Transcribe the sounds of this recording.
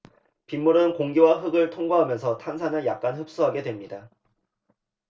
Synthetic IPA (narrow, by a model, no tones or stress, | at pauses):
pimːuɾɯnkoŋɡiwaɸɯɡɯɭtʰoŋɡaɦamjʌnsʰʌtʰansʰanɯɭjak̚k͈anɦɯp̚s͈uɦaɡe̞dwemɲida